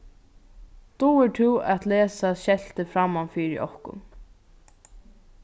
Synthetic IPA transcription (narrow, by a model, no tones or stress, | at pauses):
t̪uɛʈʰɪwɛ̰t̪leːsaʃɛl̥t̪əfɾamːanfiːɾɪ̰ʔɔ̰hkʊ̰n